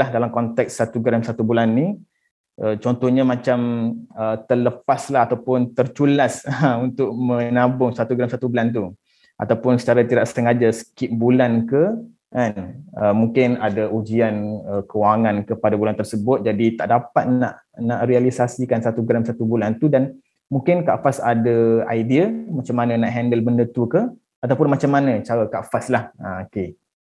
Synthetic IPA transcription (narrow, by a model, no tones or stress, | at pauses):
lahdalamkɔnt̪ɛksat̪uɡɾamsat̪ubulanːi | ʔət͡ʃɔnt̪ɔhɲamãt͡ʃamət̪ələpaslahat̪awpʊnt̪ərt͡ʃulasunt̪ʊʔmə̃nabʊŋsat̪uɡɾamsat̪ubulant̪̬u | ʔa̰t̪awpʊnsə̥t͡ʃaɾat̪iɾaʔsəŋad͡ʒasə̥kɪt̪̚bulankə | kanəmũŋkɪnadaʔud͡ʒianəkəwaŋãnkəpadabulant̪ərsəbʊt̪̚d͡ʒadit̪a̰ʔdapat̪̚na̰ʔ | naʔrialisasikansat̪uɡɾamsat̪ubulant̪udan | mũŋkɪnkaʔfasadaajdiəmat͡ʃamːanə̃naʔɦɛndəlbəndət̪ukə | at̪awpʊnmat͡ʃamːanə̃t͡ʃaɾakaʔfaslahaoke